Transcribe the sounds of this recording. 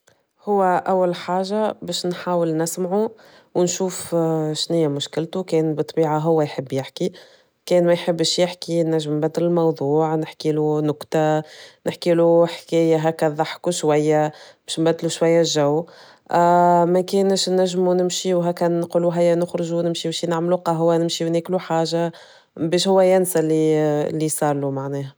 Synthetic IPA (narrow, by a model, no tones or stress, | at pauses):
hʊwːæʔæwːælħaːʒabɛːʃnħaːwəlnɪsmʕu | wnʃuːfʃnɪjːæmʊʃkɪlt̪ukɛːnbɨt̪ˤːbiːʕaɦʊwːæjħəbːjɪħki | kɛːnmæjħəbːʃjɪħkinːæʒːəmbæd̪ːɪlɪlmɑwðˤuːʕnɪħkiːlunʊqt̪anɪħkiːluħkɛːjæɦækæðˤɑħkuʃwæjːæb̥ɛːʃnbæd̪ːluʃwæjːæʒæw | mækɛːnəʃnːæʒːmunɪmʃiwɦækːænːquluɦæjːænʊxɾʊʒunɪmʃibɛʃinaʕmluqɑɦʊwːænɪmʃiwnækluħaːʒa | bɛːʃhʊwːæjænsælilːisˤɑːɾˤlumaʕnɛːhæ